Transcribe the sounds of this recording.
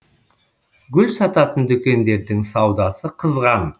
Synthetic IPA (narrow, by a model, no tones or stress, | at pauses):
ɡʲʏlsɑt̪ɑt̪ənd̪ʏkʲe̞nd̪e̞ɾd̪ɪŋsɑwd̪ɑsəqʰəzʁɑn